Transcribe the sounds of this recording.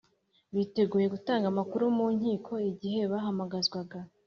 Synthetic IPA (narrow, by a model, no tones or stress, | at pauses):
βite̞ɡuːje̞ɡutaːŋɡamakuɾumuːɲhiːkʰo̞iɟihe̞βaɦamaɡazɡwaɡa